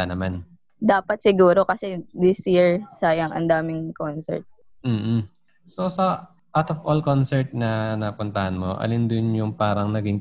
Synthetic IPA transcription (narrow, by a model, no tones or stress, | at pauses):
anɐman | d̪aːpɐt̪̚sɪɡuːɾo̞kɐsɛd̪ɪsjiɹsaːjɐŋʔɐ̰nd̪aːmɪŋkonsɛ̰ɹt̪̚ | m̩ː | sosɐ | ʔawt̪ovʔolkonsɛɹt̪̚nɐnɐpʊnt̪ɐhɐnmo̞̰ʔɐ̰lɪnd̪ʊnjʊŋpaːɾɐŋnɐɡɪŋ